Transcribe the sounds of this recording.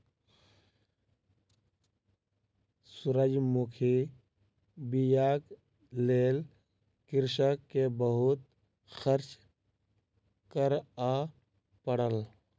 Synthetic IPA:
sʊɾəd͡ʒmukʰi | bijaːk | leːl | kɪɾʃəkkːebəɦʊt̪ | xəɾt͡ʃ | kəɾa | pəɽəl

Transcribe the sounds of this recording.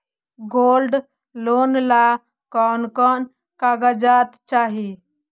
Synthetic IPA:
ɡolɖ | lonla | kɔnkɔn | kaɡəd͡ʒat̪t͡ʃaɦi

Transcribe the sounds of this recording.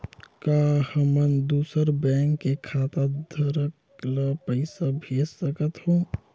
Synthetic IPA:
kaːhəmənd̪uːsəɾbɛ̃ːŋkːekʰaːt̪ad̪ʱəɾək | lapəɪsabʱeːssəkət̪hõː

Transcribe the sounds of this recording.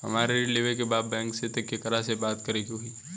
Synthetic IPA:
ɦɐ̰maːɾeɾɪliːʋekebaːd̪̚bɛ̃ːŋkset̪ɐkːekɐɾasebaːt̪kɐɾeɡiɦoiː

